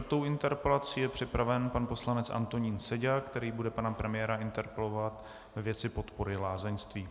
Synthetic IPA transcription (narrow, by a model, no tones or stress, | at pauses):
t̪o̞wɪnt̪ɛɾpɛlat͡siːjɛpr̝̥ɪpɾavɛnpanpo̞slanɛt͡sʔa̰nt̪o̞ɲiːnsɛɟakt̪ɛɾiːbudɛpanapɾɛmɪjɛːɾaɪnt̪ɛɾpɛlovat̪ | vɛvjɛt͡sɪpo̞t̪po̞ɾɪlaːzɛnst̪viː